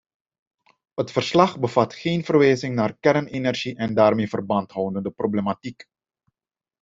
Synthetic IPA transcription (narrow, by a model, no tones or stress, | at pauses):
ətfərslɑχbəv̥ɑtxeːnvərʋɛːzɪŋnaːrkɛrnenɛrʒiʔɛndaːrmeːvərbɑntɦɔwndəndəproblematik